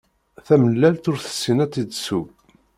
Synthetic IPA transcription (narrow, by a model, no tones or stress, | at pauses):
θæməlːælt̪ʊɾθə̥sːinæt͡s̪ːid̪sub